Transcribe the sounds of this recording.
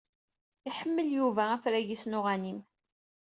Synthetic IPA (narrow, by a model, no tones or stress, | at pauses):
iħəmːəljuvææfɾæʝisnʊʁænim